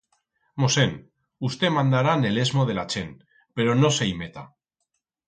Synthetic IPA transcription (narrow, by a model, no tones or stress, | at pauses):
mosen | ust̪emãnd̪aɾanelezmoð̞elat͡ʃen | peɾonoseimet̪a̰